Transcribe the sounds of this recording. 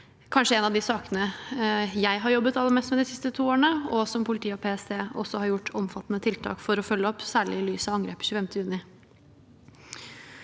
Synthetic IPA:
kʰɑnʂəɛnɑʋd̪ɪsɑːkənə | jæɪɦɑɾjɔbːət̪ɑlːəɾmeːst̪mɛd̪ɪsɪst̪ət̪ʰuːoːɾɳəɔsɔmpʰʊlɪt̪ʰiːəɔpʰeːɛseːɔsːɔhɑɾjʊʈːɔmfɑt̪ːnət̪ʰɪlt̪ʰɑ̰ːkfɔɾɔfœlːəɔpsæːɭɪɪlyːsɑʋɑŋɡɾeːpə̥çʉːfɛmt̪ʰəjʉnɪ

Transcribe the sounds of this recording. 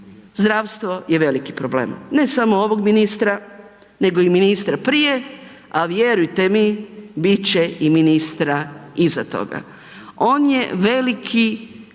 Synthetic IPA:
zd̪ɾaʋst̪ʋo̞je̞ʋe̞liki̥pɾoblḛːmne̞samooʋo̞ɡminist̪ɾa | ne̞ɡo̞iminist̪ɾapɾije̞ | aʋje̞ɾujt̪e̞mibit͡ɕeiminist̪ɾaizat̪o̞̰ɡa̰ | o̞ːnje̞ʋe̞likʰi

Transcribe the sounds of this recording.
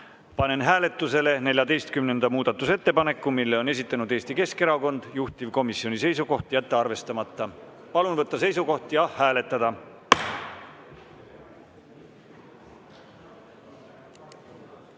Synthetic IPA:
pɑne̞nɦæːle̞t̪ːˑuse̞le̞ne̞lʲjɑd̪e̞jst̪kymne̞nd̪ɑmuːd̪̥ɑt̪ːˑuse̞t̪ːe̞pɑne̞kːˑumilːe̞one̞sit̪ːˑɑnud̪e̞ːst̪ike̞ske̞ɾɑko̞nd̪̥juht̪ivko̞misːio̞nise̞jsuko̞ht̪jæt̪ːeɑrve̞st̪ɑmɑt̪ˑːɑ | pɑlunvɤt̪ːɑse̞jsuko̞ht̪jɑhæːle̞t̪ːˑɑd̪̥ɑ

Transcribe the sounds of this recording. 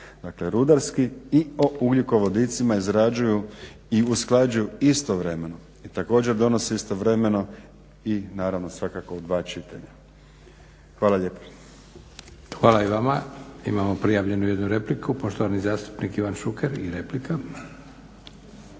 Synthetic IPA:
d̪̥akle̞ɾud̪aɾskiio̞ʔuɡʎikoʋo̞d̪it̪simaizɾad͡ʑuju | iusklˠad͡ʑujuist̪o̞ʋɾe̞me̞no | it̪ako̞ːd͡ʑe̞ɾd̪o̞no̞seist̪o̞ʋɾe̞me̞no̞ | inaːɾaʋnosʋakako̞ud̪ʋaːt͡ʃit̪a̰ʎa | xʋaːlaʎe̞ːpḁ | xʋaːlaiʋamaḭmamopɾijaʋʎe̞nujed̪nuɾe̞plikupoʃt̪oʋanizaːst̪u̥pnikiʋanʃukeɾiɾeplikʰa

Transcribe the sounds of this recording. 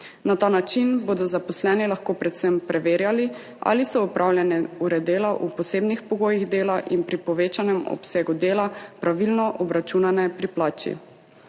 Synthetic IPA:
nat̪aːnat͡ʃinboːd̪ɔzapɔslɛːnilaxkoːpɾɛt̪sɛmpɾʔɛʋeːɾjali | a̰lisɔɔpɾʔaːwljɛnɛuɾɛd̪eːlaʔupɔseːbnixpɔɡoːjiɣd̪eːlaʔinpɾipɔʋeːt͡ʃanɛmɔ̰pseːɡud̪eːlapɾaʋilnɔʔɔbɾat͡ʃunanɛpɾiplaːt͡ʃḭ

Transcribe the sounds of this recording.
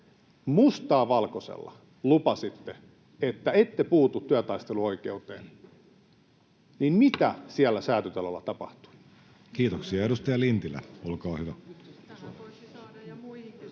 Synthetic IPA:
must̪ɑːʋɑlkosḛlːɑ̰ | lupɑsit̪ːe | et̪ːæet̪ːepuːt̪ut̪tyæt̪ɑist̪eluoikḛut̪ḛːn | ninmit̪æsiælːæsæːt̪yt̪elolːɑ̰t̪ɑpɑht̪u̥i | kiːt̪oksiɑedust̪ɑjɑlint̪ilːæ̰olkɑːhyʋæ

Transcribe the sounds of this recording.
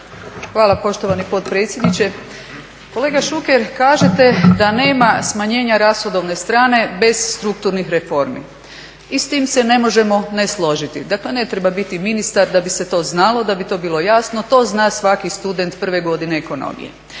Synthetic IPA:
xʋaːlˠapo̞ʃt̪oʋanipo̞t̪pɾe̞ːt̪sjed̪nit͡ɕe̞ | ko̞le̞ːɡaʃukeɾkaːʒe̞t̪e̞d̪ane̞ːmasmaɲe̞ːɲaɾasxod̪o̞ʋne̞st̪ɾaːne̞be̞zst̪ɾuk̚t̪uɾnixɾefo̞ɾmḭ | ist̪iːmse̞ne̞mo̞ʒe̞mo̞neslˠo̞ʒit̪ḭd̪akle̞ne̞t̪ɾe̞babit̪iminist̪aɾd̪abise̞t̪o̞ːznalˠo̞d̪abit̪o̞ːbilo̞jasnot̪o̞ːznaːsʋakist̪ud̪e̞nt̪pr̩ʋe̞ɡo̞d̪ine̞ːko̞no̰mḭjḛ

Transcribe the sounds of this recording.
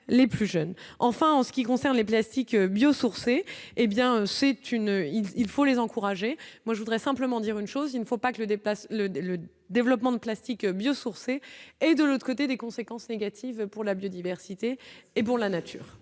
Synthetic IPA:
leplyʒœnɑ̃fɛ̃ɑ̃sə̥kʲikɔ̃sɛʁnleplast̪ikøbjosuʁseːbjɛ̃øsɛt̪ynøililfolezɑ̃kuʁaʒemwaʒəvud̪ʁɛsɛ̃pləmɑ̃d̪iʁynʃozilnəfopakələd̪plaslələ | d̪evlɔpmɑ̃d̪əplast̪ikbjosuʁseɛd̪əlot̪χəkot̪̬ed̪ekɔ̃sekɑ̃sneɡʲat̪ʰivpuʁlabjod̪ivɛʁsit̪eːpuʁlanat̪ʰy̰ːʁ

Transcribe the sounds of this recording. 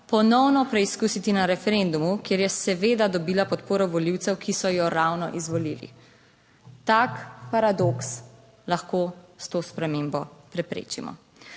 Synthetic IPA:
pɔnɔwnɔpɾɛiskuːsit̪inaɾɛfɛɾend̪umukjeɾjɛsɛʋeːd̪ad̪ɔbiːlapɔt̪poːɾɔʋɔliwt̪sɛwkisɔjɔɾawnɔʔizʋɔlilḭ | t̪akpaɾad̪oks | laxkost̪oːspɾɛmembɔpɾɛpɾḛːt͡ʃimɔ̰

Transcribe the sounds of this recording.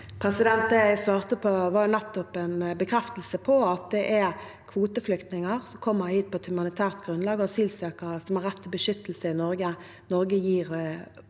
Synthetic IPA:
pʰɾɛsɪd̪ɛnt̪d̪ɛsʋɑːʁt̪əpʰɔʋɑʊnɛt̪ːɔpɛnbəkʰɾɛft̪əl̩səpʰɔɑt̪̚d̪ɛʔæɾ | kʰʋuːt̪əflʏkt̪nɪŋəʁsɔmkʰɔmːəhiːt̪̚pʰɔɛt̪hʉmɑnɪt̪ʰæːʁt̪ɡʁʉnlɑːɡɔsiːlsøːkəɾəsɔmhɑɾːɛt̪ʰːɪbəʃʏt̪ːl̩səɪnɔɾɡə | nɔɾɡəjiːɾ

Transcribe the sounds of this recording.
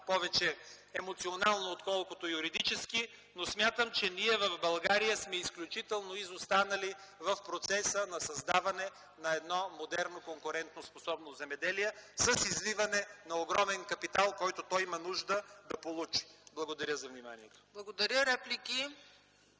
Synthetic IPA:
pɔvɛt͡ʃɛ | ɛmot̪sionalˠnoːt̪kɔlˠkot̪ojuɾid̪it͡ʃɛski | nosmʲjat̪əmt͡ʃɛniɛvəvbɐlˠɡaɾijəsmɛisklʲut͡ʃit̪ɛlˠnoizost̪anɐlivɐfpɾot̪sɛsənɐsɐzd̪avɐnɛ | nɐɛd̪nɔmod̪ɛɾnokoŋkʊɾɛnt̪nosposɔbnozɛmɛd̪ɛliɛsəsizlivɐnɛnɐoɡɾɔmɛnkɐpit̪alˠkɔjt̪ot̪ɔjimɐnuʒd̪əd̪ɐpolˠut͡ʃi̥blˠɐɡod̪ɐɾʲjəzɐvnima̰niɛt̪o̥blˠɐɡod̪ɐɾʲəɾɛpliki

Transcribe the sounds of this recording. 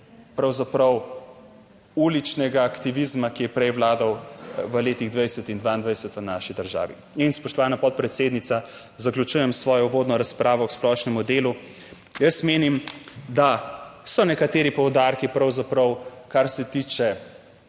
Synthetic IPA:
pɾɐwzapɾɐw | ulit͡ʃnɛɡaːkt̪iʋizmakijɛpɾɛjwlaːd̪awʋəleːt̪iɣd̪ʋajsɛt̪ind̪ʋaːind̪ʋajsət̪ʋənaːʃid̪əɾʒa̰ːʋḭ | inspɔʃt̪ɔʋaːnapɔt̪̚pɾɛt̪seːd̪nit̪sa | zaklʲut͡ʃuːjɛmsʋɔːjɔʋoːd̪nɔɾaspɾaːʋɔksplɔʃnɛmud̪eːlu | jəsmeːnimd̪asɔnɛkat̪eːɾipɔwd̪aɾkipɾɐwzapɾɐwkaɾsɛt̪iːt͡ʃɛ

